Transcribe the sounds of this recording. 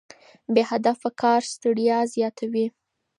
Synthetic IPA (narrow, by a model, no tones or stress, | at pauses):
behad̪afakʰɑɾst̪aɽjɑzjɑt̪ʰawi